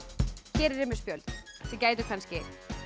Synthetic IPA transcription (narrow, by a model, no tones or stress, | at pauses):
çɛːɾɪɾɪmɪspjœlsɛcaːjt̪ʏkʰanscɪ